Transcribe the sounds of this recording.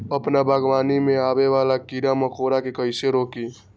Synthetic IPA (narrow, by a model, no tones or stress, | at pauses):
əpnabʱaɡʋaːnimẽaːbeʋalakiɾaməkʰoɾakekəɪseɾoki